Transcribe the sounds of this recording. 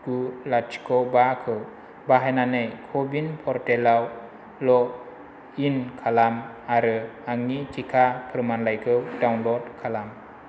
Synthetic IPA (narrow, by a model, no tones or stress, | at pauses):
kulat͡ʃi̥kʰɔbakʰɯw | baɦajnanɯjkʰɔbinpʰɔɾtelaw | lɔ | inkʰalamaɾɯaŋit͡ʃikʰapʰɾɯmanlajkʰɯwdawnlɔdkʰalam